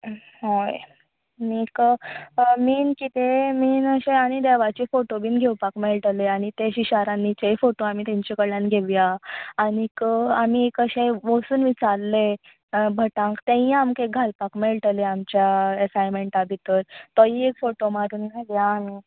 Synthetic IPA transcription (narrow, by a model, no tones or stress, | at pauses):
ɦoj | nik | miːnkit̪emiːnəɕeaɽ̃id̪eʋat͡ɕefoʈobiːnɡʱewpakmeɭʈ̪əleaɽ̃it̪eɕiɕaɾanːit͡ɕejfoʈoamiːt̪ẽɲt͡ɕekəɽlanɡʱeʋjaanikamiekəɕeʋosuːnʋit͡saɾle | bʱəʈãŋkt̪ẽĩamkeɡʱalpakmeɭʈ̪leamt͡ɕjaesajmeɳʈabʱit̪əɾt̪ɔiekfoʈomaɾuːnɡʱeljaːmi